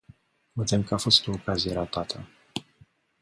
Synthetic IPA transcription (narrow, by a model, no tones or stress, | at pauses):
ved̪emkəafo̞st̪oːkazijeɾat̪at̪ʰə